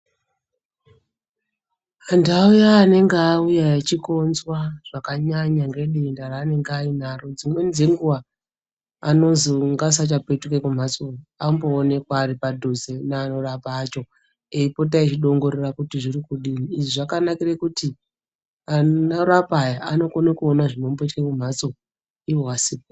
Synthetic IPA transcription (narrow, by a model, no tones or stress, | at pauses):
andaujaːne̞ŋɡaːujaat͡ʃiko̞nzwaʐ̥akaɲaɲaŋɡe̞ɗendaraːne̞ŋɡeain̤aro̞d͡zimwe̞nze̞ŋɡuʋaː | no̞zoŋɡas̬at͡ʃapetukekum̤asuamboːne̞kwaːripadʱozenaːno̞rapaːt͡ʃo̞ | eipo̞t̬ait͡ʃiɗo̞ŋɡo̞ɾerakutiʐirikuɗiniːʐiʐakanakirekuti | anoɾapajaano̞konakuonaʐino̞mboitukekum̤at͡so̞ | iwowasip